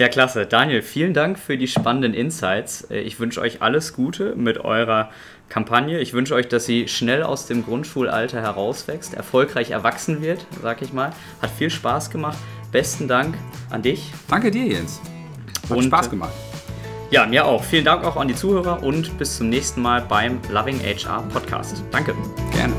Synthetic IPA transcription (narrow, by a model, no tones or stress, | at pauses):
jaːkl̥asəd̥aːnjelfiːləndaŋkfyːɐdiːʃpanəndənʔɪnsaɪt͡sɛ̰ʔɪçv̥ʏnʃəʔɔ̰ʏçʔa̰ləsɡ̥uːtʰəmɪtʔɔ̰ʏʁ̞ɐ | kʰampʰanjəɪçv̥ʏnʃəɔʏçd̥asz̥iːʃnɛla̰ʊsd̥eːmɡʁʊntʃuːlʔa̰ltɐhɛɐʁaʊsv̥ɛkstɛ̰ɐfɔlkʁ̥aɪçɛ̰ɐvaksn̩vɪɐtzaːɡəɪçmaːl | hatfiːlʃpaːsɡ̥əmaχtb̥ɛstn̩daŋkʔa̰ndɪçd̥aŋkədiːɐjɛ̰ns | ʔaʊpaːsɡ̥əma̰χt | jaːmiːɐʔa̰ʊxfiːləndaŋkaʊxandiːt͡suːhøːʁɐʔʊntb̥ɪst͡sʊmnɛːçstn̩maːlbaɪmlavɪŋʔɛ̰ɪt͡ʃʔa̰ːpʰɔtkʰa̰ːstd̥aŋkəɡ̥ɛ̰ɐnə